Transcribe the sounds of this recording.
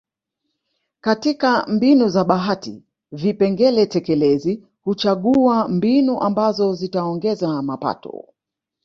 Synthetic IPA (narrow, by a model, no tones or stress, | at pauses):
katikambinuzaɓaɦatḭ | vipɛŋɡɛlɛtɛkɛlɛzi | hut͡ʃaɠuambinuʔambazɔzitaɔŋɡɛzamapa̰tɔ̰